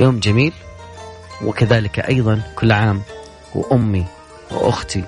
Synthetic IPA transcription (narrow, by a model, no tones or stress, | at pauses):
joːmd͡ʒamiːl | wɪ̰kaðaːlɪkaʔɑjðˤɑnkʊlːʕaːm | w̰ʔʊmːi | wʔʊ̰xt̪i